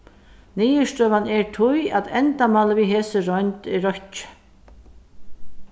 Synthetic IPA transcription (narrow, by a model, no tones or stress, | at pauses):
niːjəʂt̪œːvanɛɹt̪ʰʊjat̪ɛnt̪amaləviːɦeːsəɾɔjnt̪ɪɾɔht͡ʃɪ̥